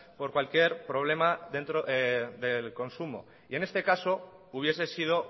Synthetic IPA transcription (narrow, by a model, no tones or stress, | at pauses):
po̞ɾkwalkje̞ɾpɾo̞β̞le̞maðe̞nt̪ɾoeðe̞lko̞nsumo̞̰ | ie̞ne̞st̪e̞kaso̞ | uβ̞je̞s̬e̞sið̞o̞